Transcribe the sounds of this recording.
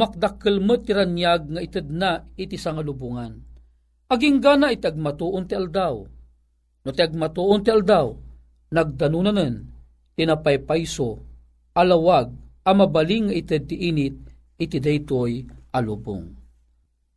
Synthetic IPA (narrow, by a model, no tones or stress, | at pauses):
mak̚d̪akːəlmət̪ːiɾanjaɡ̚ŋait̪əd̪̚nait̪isaŋalubuŋan | aɡiŋɡanait̪iaɡ̚mat̪uʔʊnt̪iald̪aw | not̪iaɡ̚mat̪uʔʊnt̪iald̪aw | naɡ̚d̪anunanən | t̪inapajpajso | alawaɡ̚amabaliŋːait̪əd̪̚t̪iʔinɪt̪̚ | it̪id̪ajt̪ojʔalubʊ̰ŋ